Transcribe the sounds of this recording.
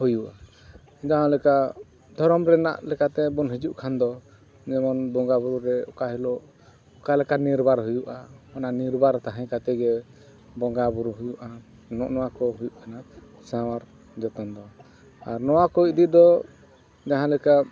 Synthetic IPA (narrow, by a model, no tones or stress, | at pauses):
hujuʔa | d͡ʒaɦãlɛka | d̪ʱɔɾɔmɾɛna̰ʔlɛkat̪ɛbunɦid͡ʒuʔkʰand̪ɔ | d͡ʒɛmɔnbɔŋɡabuɾuɾɛɔkaɦilɔ | ɔkalɛkaniɾbaɾɦujuʔamɔnaʔniɾbaɾt̪aɦɛ̃kat̪ɛɡɛ | bɔŋɡabuɾuɦujuʔa | nɔʔnɔwakɔɦujuʔkʰana | sawaɾ | d͡ʒɔt̪ɔnd̪ɔ | aɾnɔwakɔid̪id̪ɔ | d͡ʒaɦãlɛka